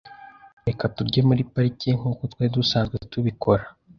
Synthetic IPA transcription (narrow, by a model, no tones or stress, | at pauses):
ɾekatuɾɟemuɾipaɾiciŋ̥uːkotwedusaːŋɡetuβikʰo̞ɾa